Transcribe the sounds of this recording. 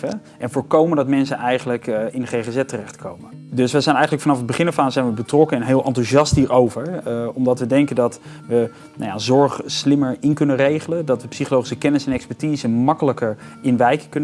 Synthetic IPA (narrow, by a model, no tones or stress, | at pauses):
ə | ʔɛnvoːɹkowməndɑtmɛnsənʔɛjχələkɪndəχejχezɛtərɛχtkʰowmədɵsʋəzɛjnɛjχələkfɑnɑfɦəd̚bəχɪnəfaːzɛjnʋəbətrɔkəɛnɦɪːlˠʔɑ̰ntuʒɑstɦiːɹowvəɹɔmdɑtʋədɛŋkəndɑt | ʋə | na̰ja̰zɔɹχslɪməɹɪnkɵnərejχələdɑtʋəpsiχolowχisəkɛnɪsɛnɛkspɛɹtiːzəmɑkələkəɹ | ɪnʋɛjkəkɵnə